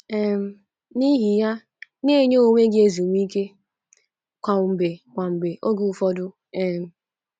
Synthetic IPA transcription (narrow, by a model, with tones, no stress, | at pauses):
ɛ˨m̩˨ | ni˦ɦi˨ja˦ | ne˦˨ɲo˦o˦˨ŋʷe˦ɡɪ˦e˦zu˨ŋʷ˦i˦ke˦ | kʷa˨m̩˨be˨kʷa˨m̩˨be˨ʔo˦ɡu˨u˨fɔ˦dʊ˦ | ɛ˨m̩˨